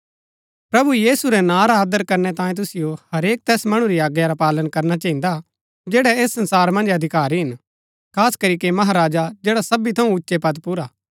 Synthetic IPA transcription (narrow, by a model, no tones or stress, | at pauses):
pɾɐbujiːsuɾɛnãɾaaːd̪əɾkɐɾnɛt̪ãːjĩt̪̬ʊsɪjohɐɾeːk̚t̪ɛːsmɐɽ̃uɾiaːɡjaɾapaːlənkɐɾnat͡ʃãɦĩːnd̪a | d͡ʒɛːɽɛeːsːɐ̃nsaːɾmɐ̃nd͡ʒɐd̪ʱɪkaːɾiɦɪn | kʰaːskɐɾikemɐɦaɾaːd͡ʒad͡ʒeːɽasɐbit̪ʰɐũʊtːʃepɐt̪pʊɾaː